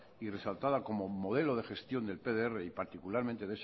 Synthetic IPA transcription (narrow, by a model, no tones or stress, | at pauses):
ire̞salt̪aðako̞mo̞mo̞ð̞e̞lo̞ð̞e̞xe̞st̪jo̞nd̪e̞lpe̞ðeereipaɾt̪ikulaɾmẽnt̪e̞ðes